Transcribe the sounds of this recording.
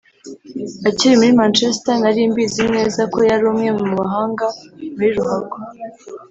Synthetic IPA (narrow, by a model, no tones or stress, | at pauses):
aciɾimuɾimant͡ʃestanaɾiːmbizimne̞ːzako̞jaɾuːmŋe̞mumaɦaːŋɡamuɾiɾuɦaɡo